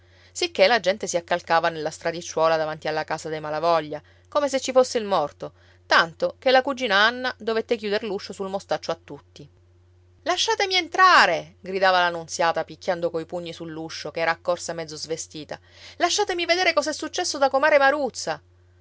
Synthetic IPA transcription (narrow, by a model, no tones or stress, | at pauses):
sikːelad͡ʒɛnt̪esiakːalkaːvanelːast̪ɾad̪it͡ʃːwɔːlad̪avant̪ialːakaːzad̪ejmalavɔʎːa | komeset͡ʃːifosːeilmɔrt̪o | t̪ant̪ok̟elːakud͡ʒiːnaanːad̪ovet̪ːekjuːd̪eɾluʃːosulmost̪at͡ʃːoat̪ːut̪ːi | laʃːaːt̪emient̪ɾaːɾeɡɾid̪aːvalanunt̪sjaːt̪apikːjand̪okoipuɲːisulːuʃːokeɛːɾaːkːorsamɛd̪zːozvest̪iːt̪a̰ | laʃːaːt̪emived̪eːɾekɔzɛsːut͡ʃːɛsːod̪akomaːɾemaɾut̪sːa